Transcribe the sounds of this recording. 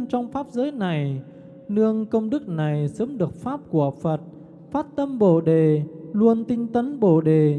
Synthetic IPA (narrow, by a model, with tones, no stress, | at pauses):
t͡ɕɔ˧wŋ͡mfaː˦˥p̚zəː˨˦jna˨˩j | nɨ˧əŋkə˧wŋ͡mɗɨ˦˥k̚na˨˩jsəː˨˦mɗɨ˨˩ək̚faː˦˥p̚ku˧˩əfə˨˩t̚ | faː˦˥t̚t̪ə˧mɓo˧˩ɗe˨˩lu˧ənt̪ï˧ŋ̟t̪ə˨˦nɓo˧˩ɗe˨˩